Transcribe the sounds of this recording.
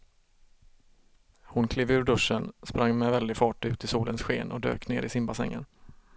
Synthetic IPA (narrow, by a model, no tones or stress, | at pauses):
hʊnkʰleːvʉ̟ːɾɖɵʂːənspɾaŋːmɛvɛld̪ɪɡfɑːʈʉ̟ːt̪ʰɪsuːlənsɧeːnʔɔ̰d̪ø̰ːkneːɾɪsɪmbasɛ̰ŋːə̰n